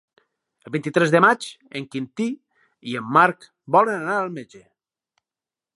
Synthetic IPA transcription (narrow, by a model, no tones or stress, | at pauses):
əlˠβint̪it̪ɾɛzðəmat͡ʃ | eŋkint̪i | iemːaɾk | bɔlənanaəlˠmed͡ʒe